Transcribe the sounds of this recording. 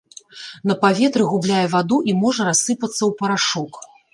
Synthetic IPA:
nɐpavʲɛt̪ɾɨɣublʲajɛvad̪uʔimɔʐɐɾasːɨpɐt̪sːɐwpɐɾaʂɔk

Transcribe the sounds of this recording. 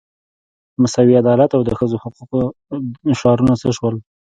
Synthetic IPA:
masawiad̪ɑlat̪awd̪əxəzohʊquq | ʃɑɾunat͡səʃwəl

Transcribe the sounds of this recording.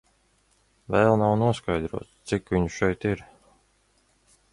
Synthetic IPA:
vɛːlˠnawnuɔskajd̪ɾuɔt̪st̪sikvʲiɲʃɛjt̪iɾ

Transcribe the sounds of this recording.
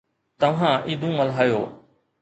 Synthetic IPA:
t̪ɐʋ̤ãːʔiːd̪ʱũːəlɦaːjoː

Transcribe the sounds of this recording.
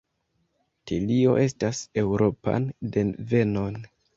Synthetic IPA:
tilio̞̰ʔe̞stase̞wɾʔo̞pa̰nde̞nve̞no̞n

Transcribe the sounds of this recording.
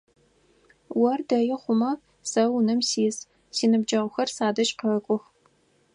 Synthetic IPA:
wɐrdɐjɪχʷʊmɐ | sɐwnɨmsiːs | siːnɨbd͡ʒɐʁʷʊxɐrsaːdɐʃʼqəkʷʼʊx

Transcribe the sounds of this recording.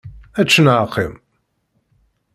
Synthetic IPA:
æt͡ʃːənʕqʰːḭm

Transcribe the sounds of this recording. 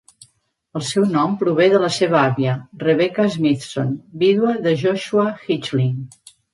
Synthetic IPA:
əlˠsɛwnɔmpɾuβ̞eðələseβəaβiərəβɛkəzmit̪sonbiðwəðəʒɔʃuaxit͡ʃliŋ

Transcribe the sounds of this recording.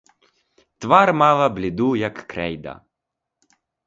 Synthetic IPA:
t̪ʋaɾmaːvablʲid̪ujakːɾɛjd̪a̰

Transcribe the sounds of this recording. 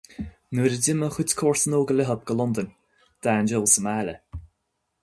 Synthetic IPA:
nuːɾədɪməxutkʰɔːɹsənoːɡəlɪɦəb̚ɡəlʊnd̪ənʲ | d̪̥aːnd͡ʒɪlˠsəmaːlə

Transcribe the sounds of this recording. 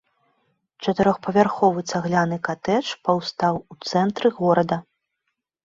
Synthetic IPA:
t͡ʂɐt̪ɨɾɔxpɐvʲarxɔvɨt̪saɣlʲanɨkat̪ɛt͡ʂpawst̪awut̪sɛnt̪ɾɨɣɔɾɐd̪ɐ

